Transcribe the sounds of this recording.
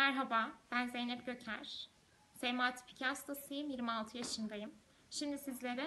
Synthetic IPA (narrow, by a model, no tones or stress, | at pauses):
mæɾɦabaːb̥ænze̞jnɛp̚ɟø̞cʰæ̰ɾ̥ | sejmaːt̪ʰi̥pʰi̥cʰast̪asɯjɯmjiɾmialˠt̪ʰɯjaʃɯnd̪ajɯm | ʃimd̪isizlʲe̞ɾɛ